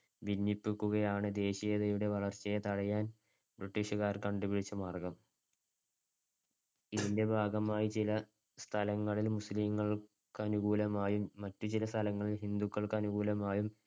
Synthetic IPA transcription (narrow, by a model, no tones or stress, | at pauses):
ʋinːipːikʲːuɣɐjaːɳɨd̪e̞ːɕijɐðɐjuɽe̞ʋɐɭɐrt͡ɕːɐjɐt̪ɐɽɐjaːn | briʈːiʂɐɣaːrkɐɳɖubiɽit͡ɕːɐmaːrɡɐm | iðinde̞bʱaːɡɐmaːjit͡ɕilɐ | st̪ʰɐlɐŋːɐɭilmusliŋːɐɭ | kɨɐnuɣuːlɐmaːjumːɐtːut͡ɕilɐst̪ʰɐlɐŋːɐɭilhind̪ukːɐɭkɐnuɣuːlɐmaːjum